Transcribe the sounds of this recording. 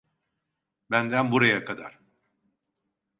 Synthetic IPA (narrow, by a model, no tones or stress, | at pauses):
bænd̪ænbuɾajakʰad̪a̰ɾ̥